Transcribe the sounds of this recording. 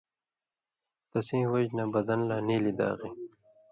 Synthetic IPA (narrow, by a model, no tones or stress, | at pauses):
t̪ɐsĩːwɐd͡ʑnabɐd̪ɐnlaːniːlid̪a̰ːɣi